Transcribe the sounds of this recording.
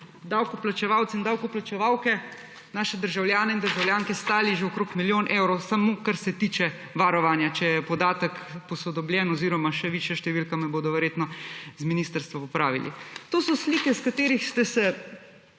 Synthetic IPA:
d̪awkɔplat͡ʃɛʋawt̪sind̪awkɔplat͡ʃɛʋawkɛ | naːʃɛd̪əɾʒawljaːnɛind̪əɾʒawljaːŋkɛst̪aːliʒeokɾoːkmiljonʔewɾɔwsamokaɾsɛt̪iːt͡ʃɛ | ʋaɾɔʋaːnjat͡ʃɛjɛpɔd̪aːt̪əkpɔsɔd̪ɔbljɛnɔziɾɔmaʃɛʋiːʃjaʃt̪ɛʋilkamɛboːd̪ɔʋɛɾjeːt̪nɔzminist̪əɾst̪ʋaɔpɾaːʋḭlḭt̪oːsɔsliːkɛskat̪eːɾixst̪ɛsɛ

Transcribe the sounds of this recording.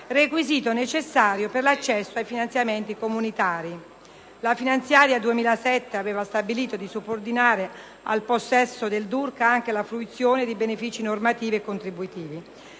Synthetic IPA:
rekwiziːt̪onet͡ʃesːaːɾjoperlat͡ʃːɛsːoajfinant̪sjament̪ikomunit̪aːɾi | lafinant̪sjaːɾjad̪uemiːlasɛt̪ːeaveːvast̪abiliːt̪od̪isubord̪inaːɾe | a̰lposːɛsːod̪eld̪urkaaŋk̟elafluit̪sjoːned̪ibenefiːt͡ʃinormat̪iːviekːont̪ɾibuit̪iːvi

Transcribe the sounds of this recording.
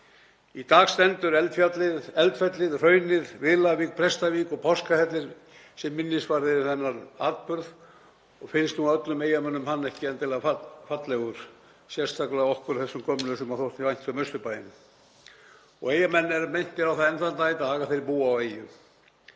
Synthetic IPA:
it̪aːɣst̪ɛnt̪ʏɾɛlt̪fjat̪lɪðɛlt̪fɛt̪lɪðr̥œːɥnɪɾ̥vɪðlavik̚pʰɾɛst̪avikɔpʰɔskafɛt̪lɪɾ | sɛmːɪnːɪsvaɾðɪθɛnːaɾaɾt̪̚pʏɾð | ɔɣfɪnst̪nuaœt̪lʏmeːjamɛnːʏmhanːɛhcɪɛnt̪ʰɪlafafat̪lɛɣʏɾ̥ | sjɛr̥st̪ʰaklaɔhkʏɾθɛsːʏmkʰɔmnʏsɛmaθowht̪ivajn̥t̪sœmœst̪ʏpaːjɪnː | ɔ̰ɣejamɛnːɛɾamejn̥t̪ɪɾawθaɛnθant̪ait̪aːɣaθeɾɪpuːaaweːjʏ

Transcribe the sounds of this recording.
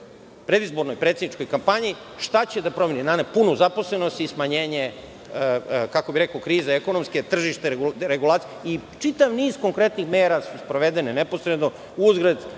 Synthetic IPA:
pɾe̞d̪izbo̞ɾnojpɾeːt̪sed̪nit͡ʃko̞jkampaɲi | ʃt̪at͡ɕe̞d̪apɾo̞meninanepunuzapo̞slenost̪ismaɲeːɲe | kakobiɾekokɾiːzeeko̞nomske̞t̪r̩ʒiʃt̪eɡuɾeɡulˠaːt̪siit͡ʂit̪aʋniːzko̞ŋkɾe̞t̪nixmeːɾasuspɾoʋed̪enenepo̞sɾed̪no | uzɡɾed̪

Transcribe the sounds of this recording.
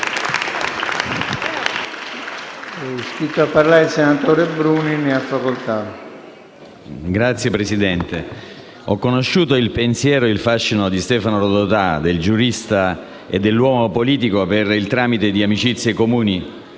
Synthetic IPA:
ɛuʃiːt̪oapːarlaɾilsenat̪oːɾebɾuːnineafːakolt̪a | ɡɾat̪sːjepɾesid̪ɛnt̪e | ɔkːonoʃːuːt̪oilpensjɛːɾoilfaʃːinod̪ist̪ɛːfanoɾod̪ot̪ad̪eld͡ʒuɾist̪a | ḛd̪ːelːwɔːmopoliːt̪ikoperilt̪ɾaːmit̪ed̪iamit͡ʃit̪sːjekomuːni

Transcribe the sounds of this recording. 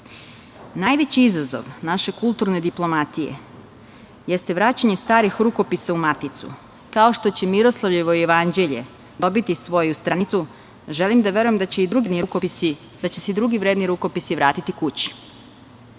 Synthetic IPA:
najʋe̞t͡ɕiizazo̞̰ʋnaʃe̞kulˠt̪uɾne̞d̪iplˠo̞mat̪ije̞̰ | jest̪e̞ʋɾaːt͡ɕaɲe̞st̪aːɾixɾuko̞pisaumat̪it̪sṵ | kao̞ʃt̪o̞t͡ɕe̞miɾo̞slˠaʋʎeʋoijeʋand͡ʑe̞ʎe̞̰ | d̪o̞bit̪isʋo̞just̪ɾanit̪su | ʒe̞limd̪aʋe̞ɾujemd̪t͡ɕeid̪ɾuɡid̪niɾukoisi | d̪at͡ɕesed̪ɾuɡiʋɾeːd̪niɾuko̞pisiʋɾaːt̪it̪ikut͡ɕi̥

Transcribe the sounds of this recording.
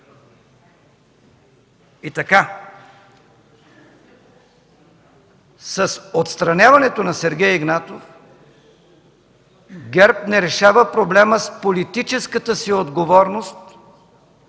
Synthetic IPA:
it̪ɐka | sɐsot̪st̪ɾɐnʲjavɐnɛt̪onɐsɛɾɡʲɛjɛɡnat̪of | ɡɛɾpnɛɾɛʃavəpɾoblɛməspolit̪it͡ʃɛskət̪əsiod̪ɡovɔɾnost̪

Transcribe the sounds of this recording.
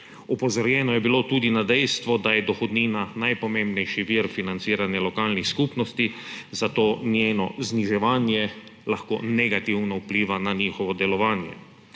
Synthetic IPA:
ɔpɔzɔɾjɛːnɔjɛbilot̪uːd̪inad̪ɛjst̪ʋɔd̪ajɛd̪ɔxɔd̪niːnanajpɔmẽmbnɛjʃiʋiɾfinant̪siːɾanjalɔkaːlnixskupnɔst̪izat̪oːnjeːnɔ̰zniʒɛʋaːnjɛ | laxko̰ːnɛɡat̪iwnɔupliːʋanaɲiːxɔʋɔd̪ɛlɔʋaːnjɛ̰

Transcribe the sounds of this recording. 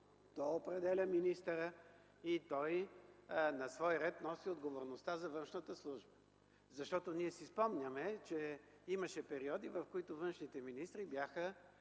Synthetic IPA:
t̪ɔopɾɛd̪ɛlʲəminist̪əɾə | it̪ɔj | nɐsvɔjɾɛt̪nɔsiod̪ɡovoɾnost̪azɐvɤnʃnət̪əslˠuʒbə | zɐʃt̪ɔt̪oniɛsispɔmnʲəmɛt͡ʃɛ | iməʃɛpɛɾiɔd̪ivɐfkoit̪ʊvɤnʃnit̪ɛminist̪ɾibjaxə

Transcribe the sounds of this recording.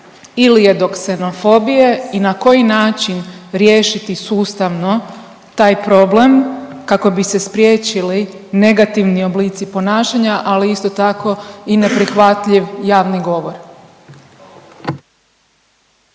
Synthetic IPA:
ilije̞d̪o̞kse̞no̞fo̞bije̞inako̞jinaːt͡ʃinɾje̞ːʃit̪isuːst̪aʋno̞ | t̪aːjpɾo̞ble̞mkako̞bise̞spɾje̞ːt͡ɕili | ne̞ɡat̪iʋnio̞bliːt̪sipo̞naːʃaɲaʔaliist̪o̞t̪ako̞ine̞pɾixʋat̪ʎiʋjaːʋniɡo̞ʋo̞ɾ

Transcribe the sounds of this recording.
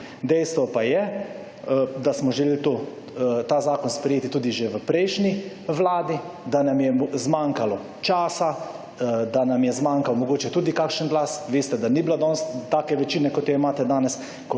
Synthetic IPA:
d̪ɛjst̪ʋɔpajɛ | d̪asmɔʒɛlelt̪o | t̪aːzaːkɔnspɾɛjeːt̪it̪uːd̪iʒeʋəpɾɛjʃni | ʋlaːd̪i | d̪anamjɛmzmaŋkalɔ | t͡ʃaːsa | d̪anamjɛzmãːŋkawmɔɡoːt͡ʃɛt̪uːd̪ikaːkʃənɡlaːsʋeːst̪ɛd̪aniblad̪ɔnst̪aːkɛʋɛt͡ʃiːnɛkɔt̪jɔimaːt̪ɛd̪aːnɛs | kɔ

